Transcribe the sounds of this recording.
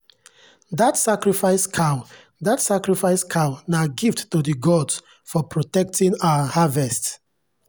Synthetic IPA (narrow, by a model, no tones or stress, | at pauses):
datsakɹifaɪskʰã | datsakɹifaɪskʰãnaɡivdtodəɡɔds | fɔpɹotɛk̚tʰĩnawahavɛst